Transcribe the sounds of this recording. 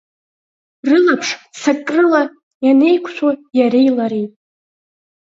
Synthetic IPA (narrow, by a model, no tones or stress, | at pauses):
rɨlapʰʂsakʼrɨla | jane̞jkʷʰʃʷʰojaɾejlaɾejtʼ